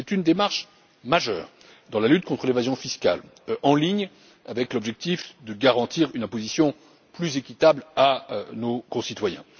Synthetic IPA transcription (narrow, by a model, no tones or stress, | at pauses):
sɛt̪ynd̪emaʁʃ | maʒœ̰ːʁ | d̪ɑ̃lalyt̪̚kɔ̃t̪χəlevazjɔ̃fiska̰l | ɑ̃liɲ | avɛklɔbʒɛk̚t̪ifd̪əɡaʁɑ̃t̪iʁynɛ̃pozisjɔ̃ | plyzekʲit̪ablanokɔ̃sit̪wajɛ̃